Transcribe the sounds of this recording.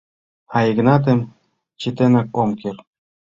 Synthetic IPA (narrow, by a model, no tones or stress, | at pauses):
ɑiɣnɑt̪̬em | t͡ɕit̪enɑk̚omker